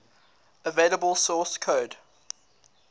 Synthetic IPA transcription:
əveɪləbəlˠsɔːˑskʰoːd

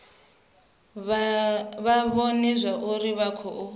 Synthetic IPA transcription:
βaβɔnɛzʷaʔuɾiβakʰɔʔu

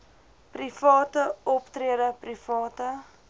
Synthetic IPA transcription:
prifɑːtəɔptriədəprifɑːtə

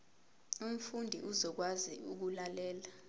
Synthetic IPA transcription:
um̩fundʱiʔuzɔk̬wazḭuk̬ulalɛːla

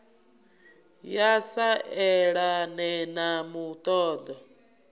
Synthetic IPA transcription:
jasaʔɛɺanɛnamut̪ʼɔːd̪ɔ

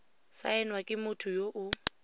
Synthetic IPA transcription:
sa̰ɛnwakʼɪmʊtʰʊjoʔʊ

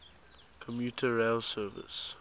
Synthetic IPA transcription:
kʰɔ̃mjuːtʰəɹeɪlsɜːvɪ̰s

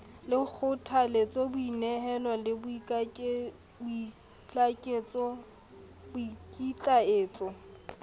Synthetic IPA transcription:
lɪk͡xʰʊtʰalet͡sʼɔbʊinɛɦɛlɔlɪbi | bʊi | t͡ɬʼakʼeːt͡sʼɔ | bʊikʼit͡ɬʼaeːt͡sʼɔ

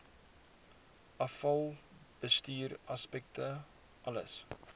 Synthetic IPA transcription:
ʔɐfɐlˠb̥əstyːɾɐspɛk̚tə | ʔɐlə̰s

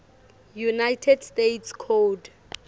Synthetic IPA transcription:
junajtʰɛdstetʰskʰod

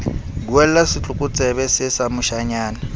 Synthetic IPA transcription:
ɡwɛllasit͡ɬʼukʼʊt͡sʼɛβɛsɪsamʊʃaɲaːna

